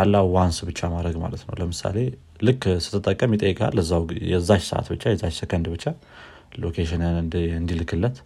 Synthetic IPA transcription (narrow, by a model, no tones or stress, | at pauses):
kʰalːawansbɨt͡ʃːamad̪ɾəɡma̰lət̪nəwləmɨsa̰le̞ | lɨkʰʼːsɨ̥t̪ʰːɨt̪ʼəkʼːəmjɪt̪ʼəjːɨkʼa̰lːəzːawjɛzːat͡ʃsə̰ʔa̰t̪bɨt͡ʃːajɛzːat͡ʃsəkʰənd̪bɨt͡ʃːa | lokʰeʃɪnɨnɨnd̪ilɨkʰːɨlːət̪